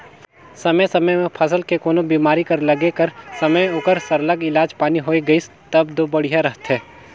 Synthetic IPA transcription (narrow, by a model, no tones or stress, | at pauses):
sɐməjsɐməjmẽpʰɐsəlkekoːnobiːmaːɾikɐɾlɐɡekɐɾsɐməjoːkəɾsɐɾləɡɪlaːd͡ʒpaːniɦoːiɡɐis | t̪ɐbd̪oːbɐɽijaɾɐɦt̪ɦɛ̃ː